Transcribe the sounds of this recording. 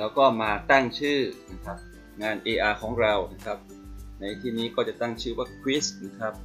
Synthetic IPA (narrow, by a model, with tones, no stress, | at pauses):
lɛː˦˥wkɔː˥˩maː˧t̪a˥˩ŋt͡ɕʰɯː˥˩na˦˥kʰa˦˥p̚ | ŋaː˧nʔeː˧ʔaː˧kʰɔː˩˦ŋɾa˧wna˦˥kʰa˦˥p̚ | na˧jt̪ʰiː˥˩niː˦˥kɔː˥˩t͡ɕa˨˩t̪a˥˩ŋt͡ɕʰɯː˥˩waː˥˩kʰɾi˦˥sna˦˥kʰɾa˦˥p̚